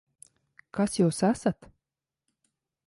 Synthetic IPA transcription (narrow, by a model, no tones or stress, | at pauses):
kasjuwsæsat̪